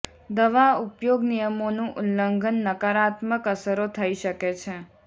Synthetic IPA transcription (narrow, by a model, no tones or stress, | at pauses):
d̪əʋaupjoɡnijəmonũʔʊnləŋɡʱənːəkaɾat̪məkəsəɾot̪ʰəiʃəket͡ʃʰe